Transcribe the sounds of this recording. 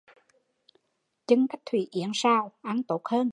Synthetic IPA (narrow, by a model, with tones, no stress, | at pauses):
t͡ɕɨ˨˧˦ŋka˦˥jk̚t̪ʰwḭ˧˩ʔḭ˨˧˩ənsaː˧˩wʔa˧˩nt̪o˦˥t̚həː˧n